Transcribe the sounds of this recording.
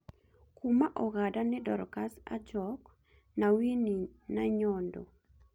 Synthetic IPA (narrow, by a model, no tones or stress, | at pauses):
kumaʔɔɣadanɪdɔɾkasa̰d͡ʒɔk | nawininaɲɔndɔ̰